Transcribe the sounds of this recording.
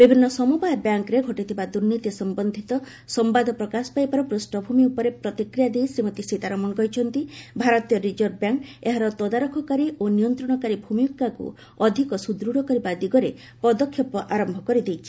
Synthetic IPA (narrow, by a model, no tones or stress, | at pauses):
bibʱinːɔsɔmubajɔbjaŋkɾeɡʱɔʈit̪ʰibad̪uɾnːit̪isɔmbɔnd̪ʱit̪ɔ | sɔmbad̪ʱɔpɾɔkasɔ̥pajpaɾɔpɾusʈɔbʱumiupɔɾepɾɔt̪ikɾijad̪ejsimɔt̪isit̪aɾɔmɔŋɡɔjt͡ʃʰɔnt̪ibʱaɾɔt̪ijɔɾit͡ʃɔɾɖ̚bjaŋkeɦaɾɔt̪ɔd̪aɾɔkʰɔkaɾiʔonijɔnt̪ɾɔɽ̃ɔkaɾibʱumijukːakṵ | ɔd̪ʱikɔsud̪ɾuɽɔkɔɾibad̪iɡɔɾe | pɔd̪ɔkʰːjɔpɔʔaɾɔmbʱɔkɔɾid̪ejt͡ʃʰi̥